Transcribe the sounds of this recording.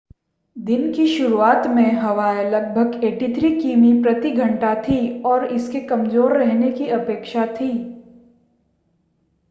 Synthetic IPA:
d̪ɪnkiʃʊɾuaːt̪mẽɦɐʋaːjlɐɡ̚bʱəɡeːʈit̪ʰɾikiːmipɾɐt̪iɡʱɐ̃ɳʈat̪ʰiɔːɾɪskekɐmzoːɾːɛɦnekiɐpeːkʃat̪ʰiː

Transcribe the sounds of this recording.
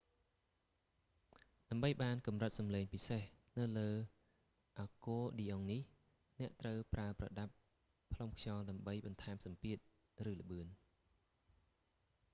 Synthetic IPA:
ɗaəmɓəjɓaːnkumrət̪̚sɑmleːŋpisehnɨwləː | ʔakoːɗiːʔoŋnih | nɛ̆əʔt̪rəwpraəprɑ̰ɗap̚ | pːʰlomkʰjɑːlɗaəmɓəjɓɑnt̪ʰaɛmsɑmpiət̪̚ | rɨːlə̆ɓɨən

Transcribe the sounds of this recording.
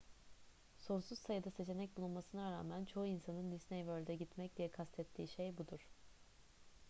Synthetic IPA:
so̞nsuz̥sajɯd̪ase̞t͡ʃʰe̞nɛc̚bulˠunmasɯnaɾaːmænt͡ʃʰo̞uinsanɯnd̪isnejvølʲd̪ɛɟit̪mɛc̚d̪ijɛkʰast̪ʰɛt̪ʰːiːʃejbud̪uɾ̥

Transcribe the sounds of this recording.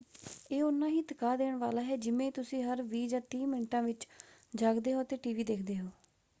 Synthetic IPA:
eːʊnːãːɦiːt̪əkaːd̪eːɳʋaːlaːɦɛːd͡ʒɪmẽːt̪ʊsĩːɦəɾʋiːd͡ʒãːt̪ĩːmɪɳʈãːʋɪt͡ʃd͡ʒaːɡd̪eːɦoːt̪eːʈiːʋiːd̪eːkʰd̪eːɦoː

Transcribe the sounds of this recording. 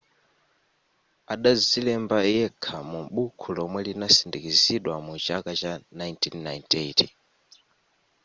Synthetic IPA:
aɗazilɛmbajɛkʰamumɓukʰulɔmwɛlinasindikiziɗwamut͡ʃakat͡ʃanajntʰinːajnteti

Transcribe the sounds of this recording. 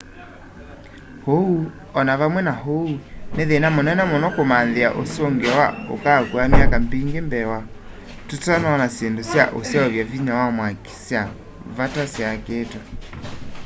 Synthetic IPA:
hou | ɔnaβamwɛnaɦouneðenamonɛnɛmonɔkomanðea̰ʔosoŋɡewaokakuamjakambiŋɡembɛwa | tutanaɔnasjendosja̰ʔosjɛɔβjaviɲawamwaki̥sja | βatasjaketwa

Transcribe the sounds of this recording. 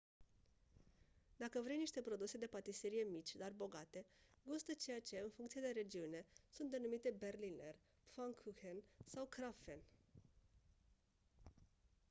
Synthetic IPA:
d̪akəvɾe̞jniʃt̪e̞pɾo̞d̪use̞d̪e̞pat̪iseɾije̞mit͡ʃʲd̪arbo̞ɡat̪e̞ɡust̪ət͡ʃe̞jat͡ʃe̞ɨnfuŋkt̪sied̪e̞ɾe̞d͡ʒiune̞sunt̪d̪e̞numit̪e̞be̞rliner | faŋkʰuxensawkɾafen

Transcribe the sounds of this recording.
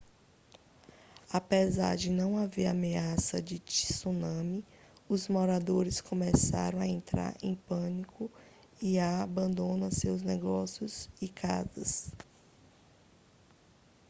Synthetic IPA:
apeza̰ɾd͡ʒɪnɐ̃w̃aveɾameasɐd͡ʒɪt͡ʃi̥sonɐ̃mi | ʊzmoɾad̪oɾɪskõmesa̰ɾɐ̃w̃aẽnt̪ɾa̰ɾḛ̃j̃pɐ̃nikʊ | iaːbɐ̃nd̪õnɐsewznɛɡɔsjʊzɪkʰa̰zɐs

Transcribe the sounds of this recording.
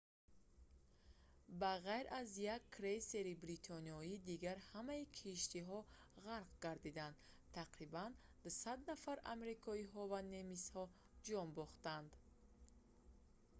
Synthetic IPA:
baʁajɾʔazjakʰːɾese̞ɾibɾit̪ʰɔniɔid̪iɡaɾhamaikʰiʃt̪iɦɔʁaɾqɡaɾd̪id̪and̪ | t̪ʰːaqɾiband̪sad̪nafaɾa̰mɾikʰɔiɦɔvane̞mishɔ | d͡ʒɔmbɔχt̪and̪

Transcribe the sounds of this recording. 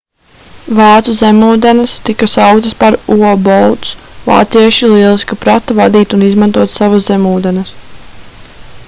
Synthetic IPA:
vaːt̪suzʲemuːd̪ɛnɐst̪ikasawkt̪əspaɾuɔbɔwt̪s | va̰ːt̪siɛʃilˠiɛlˠiskapɾat̪avad̪iːt̪unizmãnt̪uɔt̪savaszemuːd̪ɛnɐs

